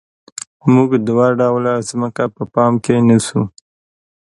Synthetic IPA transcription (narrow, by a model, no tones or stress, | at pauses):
muɡd̪waɖawlazməkapəpɑmkenasu